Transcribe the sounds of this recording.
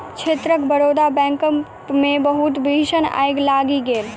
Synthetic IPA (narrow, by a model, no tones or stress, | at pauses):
t͡ʃʰeːt̪ɾəkbəɽod̪abɛ̃ːŋkə | mẽbəɦut̪biʃəna̰jɡlaːɡiɡeːl